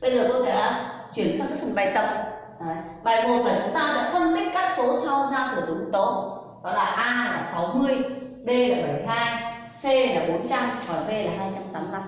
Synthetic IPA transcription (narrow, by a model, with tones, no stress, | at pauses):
ɓə˧zɨ˨˩ə˩t̪o˧wsɛ̰˧˥a˨˦t͡ɕwi˧˩ənsa˧wkaː˦˥k̚fə˨˩ɓa˧˩jt̪ə˨˩p̚ː | ɓaː˨˩jmo˨˩t̚maː˨˩t͡ɕʊ˨˦ŋ͡mt̪aː˧sɛ̰˧˥xʰə˧nkə˦˥t̚kaː˦˥k̚so˨˦sa˧wzaː˧wku˨˩əzʊ˨˦ŋ͡mt̪o˨˦ | ɗɔ˨˦laː˨˩ʔaː˧laː˨˩sa˨˦wmɨ˧əj | ɓe˧laː˨˩ɓə˧˩jɦaː˧j | se˧laː˨˩ɓo˨˦nt͡ɕa˧mhɔː˨˩ve˧laː˨˩ɦaː˧jt͡ɕa˧mt̪aː˨˦mla˧m